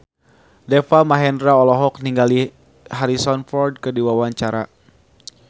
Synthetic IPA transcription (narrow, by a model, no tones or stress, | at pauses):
dɛfamaɦɛndɾaɔlɔɦɔk̚niŋɡali | ɦaɾisɔnfɔrd̚kɨdiwawaɲt͡ʃaɾa̰